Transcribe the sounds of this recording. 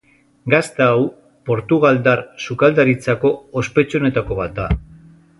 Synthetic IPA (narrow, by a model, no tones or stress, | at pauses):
ɡast̪aːw | po̞ɾt̪uɣ̞ald̪aɾsukald̪aɾit͡sako̞ospe̞t͡ʃo̞ne̞t̪ako̞β̞at̪̚d̪a